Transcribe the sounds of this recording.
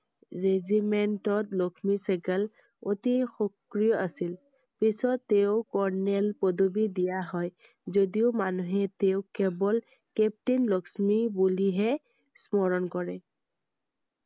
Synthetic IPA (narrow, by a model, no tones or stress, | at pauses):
ɹezimentɔtlokʰmisɛkɛl | ot̪ixɔkɹijɔʔasil | pisɔtːeʊkɔɹnɛlpod̪obidijaɦɔj | zodiʊmanuɦɛt̪eʊkɛbɔl | kɛp̚ʈinlɔksmibuliɦɛ | smɔɹɔnkɔɹɛ